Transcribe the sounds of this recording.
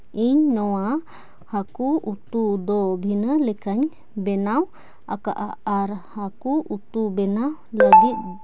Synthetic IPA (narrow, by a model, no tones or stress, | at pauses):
iɲnɔwa | hakuut̪ud̪ɔbʱinəlɛkaɲ | bɛnaw | aka̰ʔaːɾhakuut̪ubɛnaw | ləɡit̪̚